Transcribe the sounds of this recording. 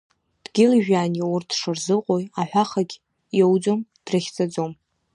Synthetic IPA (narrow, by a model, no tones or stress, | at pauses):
d̥ɡʲɪlʒᶣaːniʊrtʰʂɨrzɨqʼojaħʷᶣaχaɡʲ | jowd͡zomd̥rɨχʲt͡sʼad͡zom